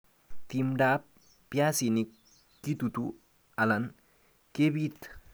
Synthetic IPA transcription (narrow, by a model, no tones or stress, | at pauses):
t̪imɖap̚ | pjasinik | kːit̪ut̪u | alan | kebit̪